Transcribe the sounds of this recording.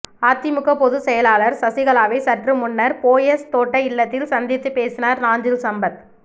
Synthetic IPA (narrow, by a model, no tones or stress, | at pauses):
aːt̪ːɪmʊkːɐpɔðɯsɛjɐlaːlɐɾsɐsɪɣɐɭaːʋɐɪsɐʈrɯmʊnːɐɾpoːjɐst̪oːʈːɐɪɭːɐt̪ːɪlsɐnd̪ɪt̪ːɯpːeːsɪnaːɾnaːnd͡ʒɪlsɐmbɐð